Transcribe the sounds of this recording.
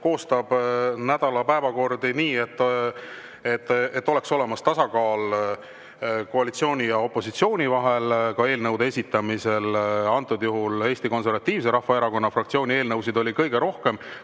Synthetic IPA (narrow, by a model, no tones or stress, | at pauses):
ko̞ːst̪ɑb̥næd̪̥ɑlɑpæevɑko̞rd̪iniːe̞t̪ːˑ | et̪ːˑet̪ːˑo̞le̞kso̞le̞mɑst̪ɑsɑkɑːl | ko̞ɑlit̪sio̞ːnʲijɑo̞pːˑo̞sit̪sio̞ːnʲivɑɦe̞lkɑe̞ːlnɤwd̪eesit̪ːˑɑmise̞lɑnt̪ːˑud̪juɦule̞ːst̪iko̞ns̬e̞rvɑt̪ːiːvs̬eɾɑhvɑeɾɑko̞nːɑfrɑk̚t̪sio̞ːnʲie̞ːlnɤwsid̪o̞lʲikɤjɡ̥e̞ɾo̞hke̞m